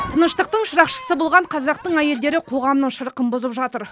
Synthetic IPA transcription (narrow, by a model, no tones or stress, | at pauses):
t̪ʰənəʃt̪əq̚t̪əɴʃəɾɑqʃə̥səbʊlˠʁɑɴqʰɑzɑq̚t̪əɴæje̞ld̪e̞ɾɪqʰo̞ʁɑmnəɴʃəɾəqənbʊzəpʒɑt̪əɾ